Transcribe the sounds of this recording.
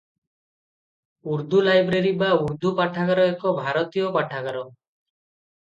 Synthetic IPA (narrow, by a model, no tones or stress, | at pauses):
uɾd̪ulajbɾeɾibauɾd̪upaʈʰakaɾɔekɔbʱaɾɔt̪ijɔpaʈʰakaɾɔ